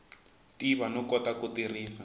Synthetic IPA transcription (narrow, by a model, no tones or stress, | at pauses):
tiβanɔkɔtakutiriːsa